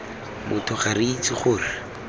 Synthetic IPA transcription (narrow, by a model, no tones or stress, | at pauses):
mʊtʰʊχarit͡sɪχʊːrɪ